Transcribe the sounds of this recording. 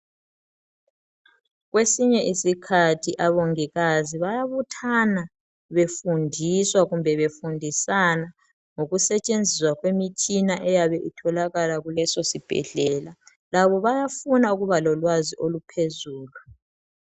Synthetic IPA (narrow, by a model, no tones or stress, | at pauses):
ɣwesiɲɛʔisikʰatʰiʔaβoŋiɣaziβajaβutʰana | βefundʱiswaɣumbʱɛβefundʱisana | ŋoɣusɛt͡ʃʼend͡zʱiswaɣwemit͡ʃʰinaʔɛjaβɛʔitʰɔlaɣalaɣulɛsɔsib̥ʱɛ̰ɮɛːla | laβɔβajafunauɣuβalɔlwaziʔolupʰezuːlu